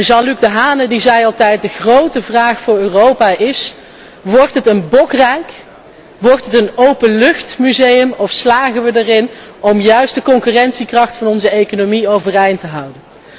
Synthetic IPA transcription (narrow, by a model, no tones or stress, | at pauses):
ʒɑnlyɡ̚dəɦaːnədizɛjɑlˠtɛjt̚dəχrowtəvraːχfʊːɹøːrowpaːʔɪs | ʋɔɹtɦətənbɔkrɛjk | ʋɔɹtətənowpənlɵχtmyzejəmɔfslaːχənʋədərɪnɔmjœɥst̚dəkɔŋkyːrɛntsikrɑχtfɑnɔnzəejkonomiowvərɛjntəɦʌwdən